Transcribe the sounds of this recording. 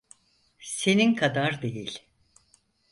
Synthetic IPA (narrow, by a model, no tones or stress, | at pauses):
se̞ninkʰad̪aɾd̪e̞jilʲ